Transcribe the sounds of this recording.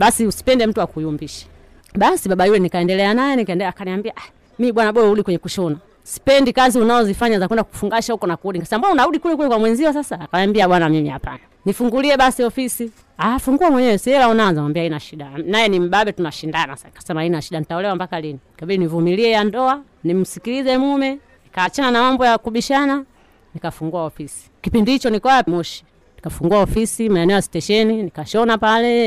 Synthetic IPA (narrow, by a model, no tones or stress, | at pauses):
ɓasiusi̥pɛndɛm̩tuwakujumbiʃḁ | ɓasiɓaɓajulɛnikaɛndɛlɛanajɛnikaɛndɛakaniambiaʔa | miiɓwanaɓɔuɗikwɛɲɛkuʃɔna | si̥pɛndikaziunazɔzifaɲazakwɛndaku̥fuŋɡaʃahukɔnakuuɗiŋkasɛmbuunaɾuɗikulɛkulɛkwamwɛɲziwɔs̬asaːkaambiaɓwanamimia̰pa̰nanifuŋɡuliɛɓasiɔfisi | aːfuŋɡuamwɛɲɛwɛsiɛlaunaanzawambiainaʃiɗanajɛnim̩ɓaɓɛtunaʃindanasakḁsɛmainaʃiɗanitaulɛwambakaliniikaɓilinivumiliɛjandɔa | nim̩sikilizɛmumɛ | nikaːt͡ʃananamambɔjakuɓiʃana | nikafuŋɡuaɔfisi̥kipindihit͡ʃɔnikwamɔʃi̥ | nikafuŋɡuaɔfisimaɛnɛɔjasi̥tɛʃɛninikaʃɔnapalɛ